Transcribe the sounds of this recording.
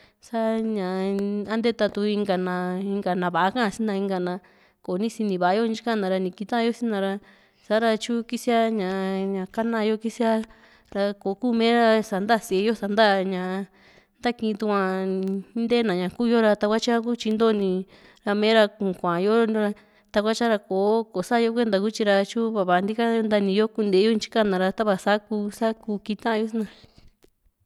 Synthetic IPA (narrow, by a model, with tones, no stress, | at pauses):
sa˦ɲã˨a˦nd̪e˦t̪a˧t̪u˧i˧ŋɡa˧nã˧i˧ŋɡa˨nã˨βa˨a˦kã˦ã˧si˦nd̪ã˧i˧ŋɡa˧nã˧ | ko˨˦nĩ˦si˧nĩ˨βa˨a˦jo˦˧n˦i˦kã˦˧nã˨ɾa˧nĩ˨ki˧t̪ã˦˧jo˦sĩ˦nã˧ɾa˧ | sa˨˦ɾa˧t͡ʃu˦ki˦si˦a˦ɲã˨ɲã˨ka˦nã˧jo˧ki˦si˦a˦ | ɾa˧ko˨˦kuː˦mẽː˦ɾa˧sa˨nd̪a˦˨si˨e˧jo˦sa˨nd̪a˦ɲã˨˧ | nd̪a˦kĩ˧t̪u˧kʷã˧˦ | nd̪e˦nã˨ɲã˨kuː˦˧jo˦ɾa˧t̪a˧kʷa˦t͡ʃa˦ku˦t͡ʃi˧nd̪o˦˧nĩ˧ | ɾa˧mẽ˦ɾa˧kũ˨kʷã˨jo˦ɾa˧ | t̪a˧kʷa˦t͡ʃa˦ɾa˧ko˨˦ko˨sa˦˧jo˦kʷe˦nd̪a˨˧ku˦t͡ʃi˧ɾa˧t͡ʃu˦βa˧βa˧˨˧nd̪i˦ka˦nd̪a˧nĩ˧jo˦ku˧nd̪e˨˦jo˦ĩ˧t͡ʃi̥˦ka˦nã˨˧ɾa˧t̪a˦βa˧sa˦ku˧sa˦ku˧ki˧t̪ã˦˧o˦snã˧